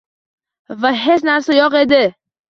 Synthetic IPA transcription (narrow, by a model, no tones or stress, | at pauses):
vaɦet͡ʃnaɾsɔjɒqed̪ɪ